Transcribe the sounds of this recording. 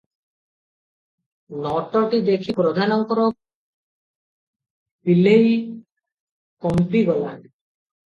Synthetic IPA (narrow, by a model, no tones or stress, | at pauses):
nɔʈɔɾʈid̪ekʰipɾod̪ʱanɔŋkɔɾo | pilej | kɔmpɾibɔlan